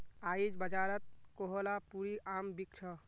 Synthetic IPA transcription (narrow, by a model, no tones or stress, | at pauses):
aid͡ʒbəd͡ʒaɾət̪̚koɦolapuɾiʔambik̚t͡ʃʰʌ